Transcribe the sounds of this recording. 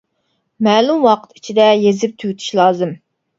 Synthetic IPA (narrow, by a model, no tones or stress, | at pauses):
mɛːlumwɑqʰə̥t̪i̥t͡ʃʰid̪ɛjezɪp̚t̪ʰywt̪ʰy̥ʃlˠɑːzɨm